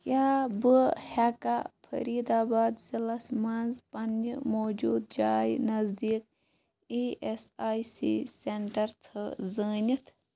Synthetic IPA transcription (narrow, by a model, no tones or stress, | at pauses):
kʲjaːbɨhaːkapʰɐ̰ɾiːd̪aːbaːd̪zilɐsmanzpɐnmoːd͡ʒuːd̪̚d͡ʒaːjnɐzd̪iːk | iːesaːjsḭːseɳʈɐɾt̪ʰɨzəːnʲit̪ʰ